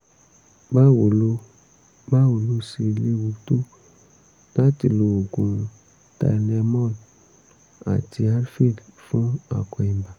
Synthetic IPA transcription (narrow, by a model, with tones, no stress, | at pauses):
ba˦wo˨lo˦ | ba˦wo˨lo˧˦se˧le˦wu˧to˦ | la˦ti˨lo˨o˨ɡũ˨ | ta̰˨nɛ˧mɔ˦˨l | a̰˨ti˧a˦ɾfi˦˨lfũ˦a̰˨kɔ˨ĩ˨m˨ba˨